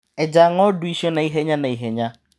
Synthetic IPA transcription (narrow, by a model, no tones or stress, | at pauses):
ed͡ʒaŋɔdʊiʃionaiɦeɲanaiɦeɲa